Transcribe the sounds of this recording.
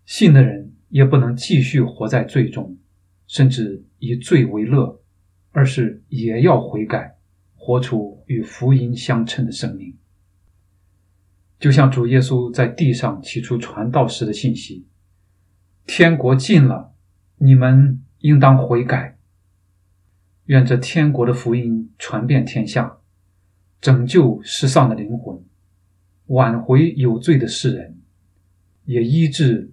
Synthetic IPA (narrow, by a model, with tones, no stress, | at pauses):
ɕi˥˩nd̪ə˩ɻə˧˥n | jɛ˨˩pu˥˩nɤ˧˥ŋt͡ɕi˥˧ɕy˥˩xwɔ˧˥t͡sa˥˧ɪt͡swe˥˩ɪʈ͡ʂʊ˥ŋ | ʂə˥˧nʈ͡ʂɻ̩˥˩ | i˨˩t͡swe˥˩ɪwe˧˥ɪlɤ˥˩ | ə˞˧˥ʂɻ̩˥˩jɛ˨˩jɑ˥˩ʊxwe˧˥ɪka˨˩ɪ | xwɔ˧˥ʈ͡ʂʰu˥y˨˩fu˧˥i˥nɕjɑ˥ŋʈ͡ʂʰə˧˥nd̪ə˨ʂɤ˥ŋmi˥˩ŋ | t͡ɕjo˥˧ʊɕjɑ˥˩ŋʈ͡ʂu˨˩jɛ˥s̬u˥t͡sa˥˧ɪt̪i˥˧ʂɑ˥˩ŋt͡ɕʰi˨˩ʈ͡ʂʰu˥ʈ͡ʂʰwa˧˥nt̪ɑ˥˩ʊʂɻ̩˧˥d̪ə˧ɕi˥˩nɕi˥ | t̪ʰjɛ˥nkwɔ˧˥t͡ɕi˥˩nlə̰˩ | ni˨˩mə˧n | i˥ŋt̪̬ɑ˥ŋxwe˧˥ɪka˨˩ɪ | ɥɛ˥˧nʈ͡ʂɤ˥˩t̪ʰjɛ˥nkwɔ˧˥ɾə˧fu˧˥i˥nʈ͡ʂʰwa˧˥npjɛ˥˩nt̪ʰjɛ˥nɕjɑ˥˩ŋ | ʈ͡ʂɤ˨˩ŋt͡ɕjo˥˩ʊʂɻ̩˥˧ʂɑ˥˩ŋd̪ə˩li˧˥ŋxwə˧˥n | wa˨˩nxwe˧˥ɪjo˨˩ʊt͡swe˥˩ɪd̪ə˩ʂɻ̩˥˩ɻə˧˥n | jɛ˨˩i˥ʈ͡ʂɻ̩˥˩